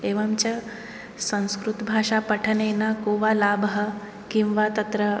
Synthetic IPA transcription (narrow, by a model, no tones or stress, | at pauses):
eʋamt͡ɕa | sə̃w̃skɾut̪bʱaːʂapəʈʰənenakoʋalabəɦə | kĩw̃ʋat̪ɐt̪ɾə